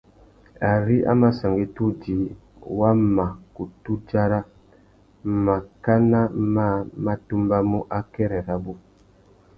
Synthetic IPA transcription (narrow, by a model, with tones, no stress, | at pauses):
a˨ɾi˦ʔa̰˦ma˦sa˨ŋɡi˦tu˦d͡ʒi˨˦ | wa˦ma˨ku˨tu˦d͡ʒa˦ɾa˦ | ma˨ka˦na˦ma˦˨ma˦tu˦mba˦mu˦ʔa˦kɛ˦ɾɛ˨ɾa˦bu˦